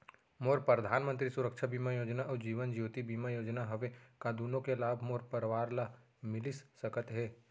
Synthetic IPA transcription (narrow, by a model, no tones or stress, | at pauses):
moːɾpɾəd̪ʱaːnmə̃nt̪ɾisʊɾəkʃʰabiːmajoːd͡ʒnaʔɔd͡ʒiːʋənd͡ʒjuːt̪ibiːmajoːd͡ʒnaɦɐʋekaːd̪uːnõkelaːbʱmoːɾpəɾʋaːɾla | mɪlɪssɐkət̪ɦɛː